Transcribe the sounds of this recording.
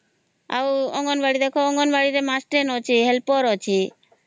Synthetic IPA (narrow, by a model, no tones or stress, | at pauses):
a̰wɔŋɡɔnbaɽid̪ɛkʰɔɔŋɡɔnbaɽiɾemasʈɾenɔt͡ʃʰiɦɛlpɔɾɔt͡ʃʰi